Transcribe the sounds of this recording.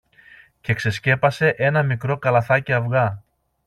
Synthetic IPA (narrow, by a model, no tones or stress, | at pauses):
ce̞kse̞sce̞pɐse̞ʔe̞nɐmikɾo̞kɐlɐθɐceɐvɣɐ